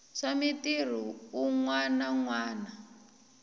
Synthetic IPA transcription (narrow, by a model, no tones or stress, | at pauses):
ʂamitir̤uːŋwanaŋwaːna